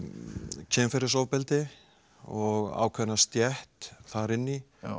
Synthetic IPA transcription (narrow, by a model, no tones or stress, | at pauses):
cʰɛːmfɛɾɪsoːwpɪlt̪ɪ | ɔɣa̰ːwkʰvɛnːast̪jɛht̪θaɾɪnːi